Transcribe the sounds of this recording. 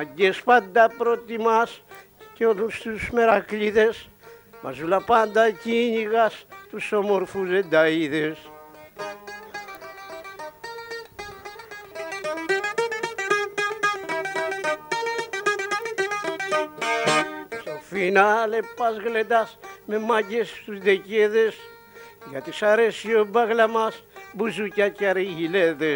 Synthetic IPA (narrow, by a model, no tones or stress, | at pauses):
mɐɟespand̪apɾot̪imas | ceolust̪usmeɾakʎiðes | ma̰zulapand̪aciɲiɣast̪usomoɾfuzed̪aiðes | sofinalepːɐzɣled̪ɐsme̞maɟest̪uzd̪eceðes | ʝɐt̪isɐɾe̞siobɐɣlɐmɐsbuzucacɐɾeʝileðe